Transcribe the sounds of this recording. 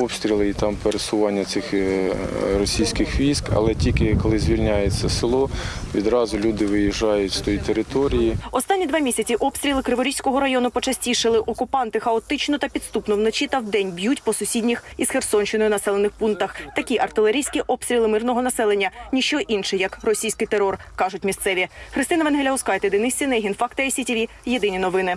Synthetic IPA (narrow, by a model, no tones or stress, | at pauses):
ɔpst̪ɾʲilˠɪit̪ɑmpeɾesʊʋɑnʲːɐt̪ɪx | rɔsʲijsʲkɪxʋʲijskɐ̰lˠɛtʲikɪkɔlˠɪzʲʋʲilʲnʲajet͡sʲːɐsɪlˠɔʋʲid̪ɾɑzʊlʲud̪ɪʋɪjiʒɑjʊtʲst̪ɔjit̪eɾɪt̪ɔɾʲijiɔst̪ɑnʲːid̪ʋɑmʲisʲɐt͡sʲiʔɔpst̪ʲɾʲilˠɪkɾɪʋɔɾʲijsʲkɔɦɔɾɐjɔnʊpɔt͡ʃɐsʲtʲiʃɪlˠɪʔɔkʊpɑnt̪ɪxɐɔt̪ɪt͡ʃnɔt̪ɐpʲid̪st̪upnɔwnɔt͡ʃit̪ɐwd̪ɛnʲbʲjutʲpɔsʊsʲidʲnʲixisxersɔnʲʃt͡ʃɪnɔjʊnɐsɛlˠenɪxpunk̚t̪ɐxt̪ɐkʲiʔɐrt̪ɪlˠeɾʲijsʲkʲiʔɔpst̪ɾʲilˠɪmɪrnɔɦɔnɐsɛlˠenʲːɐnʲiʃt͡ʃɔʔinʃɛjɐkrɔsʲijsʲkɪjt̪eɾɔrkɑʒʊtʲmʲist̪sɛʋʲixɾɪst̪ɪnɐʋenɦelʲɐɔskɑjet̪ɛd̪ɪnɪsʲinɛɦʲinfɑkt̪ɐesʲitʲiʋʲijed̪ɪnʲinɔʋɪnɪ